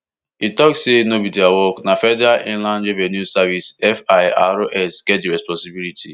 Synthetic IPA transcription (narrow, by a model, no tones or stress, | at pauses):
itɔksːenobidiawɔknafɛdaʔĩnlãnd͡ʒevɛnusavisɛfaɪa̰ɾoʔɛsɡ̥ɛt̚deɾɛspɔ̃nsibilitʰḭ